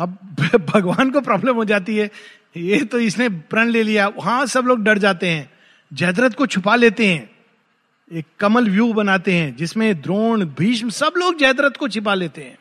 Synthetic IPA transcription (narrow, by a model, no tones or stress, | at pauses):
ɐb̚bʱɐɡʋaːnk̬opɾɔːbləmɦod͡ʒaːt̪iɦɛː | jet̪oɪsnebɾɐ̃ɳleːlijaʋɐɦãsɐbloːɡɖɐɽd͡ʒaːt̪eɦɛ̃ː | d͡ʒɛːd̪ɾət̪kot͡ʃʰʊpaleːt̪eɦɛ̃ː | eːkːɐməlʋjuːbɐnaːt̪eɦɛ̃ːd͡ʒɪsmẽd̪ɾoːnbʱiːʃmsɐbloːɡ̚d͡ʒɛːd̪ɾət̪kot͡ʃʰɪp̬aleːt̪eɦɛ̰̃ː